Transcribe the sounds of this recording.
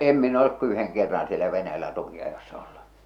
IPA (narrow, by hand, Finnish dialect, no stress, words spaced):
em min olek ku yheŋ kerːɑn sielæ ʋenæjælːæ tukiɑjosːɑ olːu